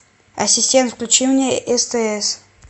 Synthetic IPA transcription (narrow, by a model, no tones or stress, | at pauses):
ɐsʲɪsʲtʲent̪fklʲut͡ɕivnʲɪəʔɛst̪ɛɛs